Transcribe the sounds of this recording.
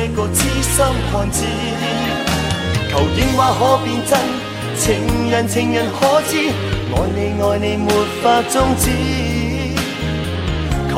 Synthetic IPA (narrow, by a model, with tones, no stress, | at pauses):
e˧kʊ˧k̚t͡sʰi˥sɐ˥mkʰɔː˨˩nt͡si˧˥ | k̪ʰɐ˨˩wkɪ˨˥ŋwaː˨˧˥ɦɔː˨˥piː˧nt͡sɐ˥n | t͡sʰɪ˨˩ŋjɐ˨nt͡sʰɪ˨˧ŋjɐ˨nkʰɔː˧˥t͡siː˧˥ | ŋɔː˨˧jne˨˧jŋɔː˨˧jne˧jmu˨˧t̚faː˧k̚t͡sʊ˥ŋt͡si˧˥ | kʰ